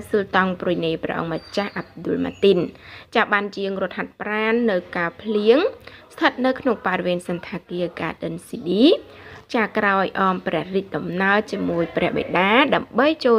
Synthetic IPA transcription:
sult̪ɑŋpruəjneːprɛ̰ʔɑ̰ŋmət͡ɕahʔap̚ɗʊlma̰ːt̪int͡ɕaːɓant͡ɕiəŋrŭət̪̚hat̪̚praːnːɨwkaːəpʰliəŋst̪ʰət̪̚nɨwkʰnoŋparʋiənsɨnt̪ʰaːkiəka̰ːɗənsiːɗiːt͡ɕaːkraɔjʔɑːmprɛ̆əhriːc̚ɗɑmnaəlt͡ɕiəmuəjprɛ̆əhɓḛjɗaːɗaəmɓəjt͡ɕoː

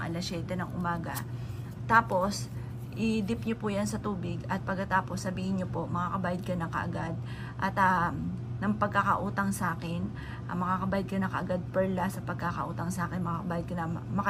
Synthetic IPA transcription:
ʔɐ̰lɐsɛːt̪ɛnɐŋʔʊmaːɡɐ | t̪aːpo̞s | ʔɪd̪ɪp̚ɲopʊjɐnsɐt̪uːbɪɡɐt̪̚pɐɡ̚kːɐt̪aːposːɐbiːhɪnɲopo̞mɐkaːkɐbaːjɐd̪̚kɐnɐkɐ̰ʔɐ̰ɡad̪̚ | ʔɐt̪ɐnɐŋpɐɡ̚kakɐʔuːt̪ɐŋsaːkɪn | ʔɐ̰mɐkakɐbaːjɐd̪̚kɐnɐkɐʔɐɡad̪̚pɛɹlasɐpɐɡ̚kakɐʔuːt̪ɐŋsaːkɪnmɐkakɐbaːjɐd̪̚kɐnɐmɐkɐ

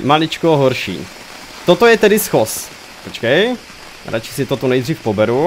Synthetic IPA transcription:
malɪt͡ʃkoɦoɾʃḭː | t̪ot̪ojɛt̪ɛdɪsxos | pot͡ʃkɛj | ɾʔat͡ʃɪ̥sɪt̪ot̪onɛjd̪riːfpobɛɾu

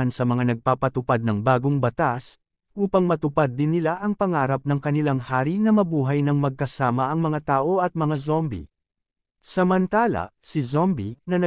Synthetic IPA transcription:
ansɐmɐŋanɐɡ̚paːpɐt̪ʊpad̪̚nɐŋbaːɡoŋbɐt̪as | ʔuːpɐŋmɐt̪ʊpad̪̚ːɪnːɪlaʔɐŋpɐŋaːɾɐp̚nɐŋkɐnɪlaŋhaːɾinɐmɐbuːɦɐjnɐŋmɐɡ̚kɐsaːmɐʔɐŋmɐŋat̪aːʔo̞ɐt̪̚mɐŋazombḭ | sɐmɐnt̪aːlɐ̰sɪzombinɐnɐ

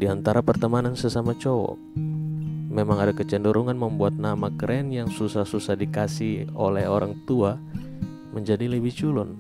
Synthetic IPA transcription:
diant̪aɾapərt̪əmanansəsamat͡ʃowɔ̰ | memaŋadakət͡ʃəndəɾuŋanməmbuat̪̚namakɾɛnjaŋsusahsusahdikasiholɛɦoɾaŋt̪ua | məɲd͡ʒadiləbiht͡ʃulʊn

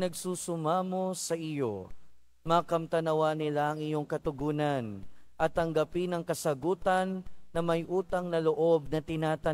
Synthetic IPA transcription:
nɐɡsuːsʊmaːmo̞sɐʔɪjo̞̰ | maːkɐmt̪ɐnɐwanɪlaʔɐŋɪjo̞ŋkɐt̪ʊɡuːnɐnʔɐt̪ːɐŋɡɐpinɐŋkɐsɐɡuːt̪ɐnːɐmɐjʔuːt̪ɐŋnɐloʔo̞b̚nɐt̪ɪnaːt̪ɐ

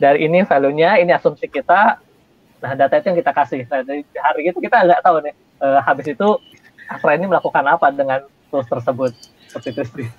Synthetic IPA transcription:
daɾiʔːnifeloɲainiasunt̪ikit̪a | lahdat̪ait̪ujaŋkit̪akasɪhnahd͡ʒadiɦaɾiit̪ukit̪aɡaʔt̪aunɪh | ʔəːhabɪs̬it̪u | at̪ɾainiməlakukanapadəŋan | t̪uɾʊst̪ərsəbʊt̪̚ | sopik̪ɾist̪i

